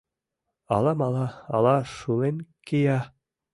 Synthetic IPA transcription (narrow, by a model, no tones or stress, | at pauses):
ɑ̰lˠɑmɑlˠɑɑ̰lˠɑʃulenkejɑ